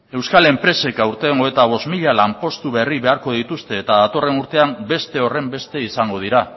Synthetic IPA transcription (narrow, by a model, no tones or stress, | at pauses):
e̞wskale̞mpɾe̞se̞kawɾt̪eŋoet̪aβ̞o̞zmiʎalampo̞st̪uβe̞riβe̞aɾko̞ðit̪ust̪e̞ːt̪aðat̪o̞re̞nuɾt̪e̞ambe̞st̪e̞o̞re̞mbe̞st̪e̞isaŋɡo̞ð̞iɾa